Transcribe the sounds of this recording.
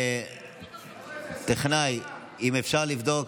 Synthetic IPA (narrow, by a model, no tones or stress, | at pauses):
t̪eχnaj | imefʃaʁlivd̪ok